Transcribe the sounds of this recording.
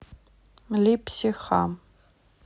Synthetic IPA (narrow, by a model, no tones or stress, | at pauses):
lipʰsiχa̰m